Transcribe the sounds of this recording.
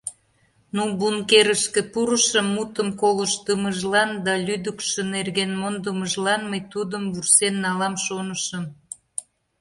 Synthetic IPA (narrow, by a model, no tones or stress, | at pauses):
nubunkeɾəʃkĕpuɾəʃəmːut̪əmkoləʃt̪əməʒlɑnd̪ɑlʲyd̪əkʃənerɣenmond̪əməʒlɑnməjt̪ud̪əmvursenːɑlɑmʃonəʃəm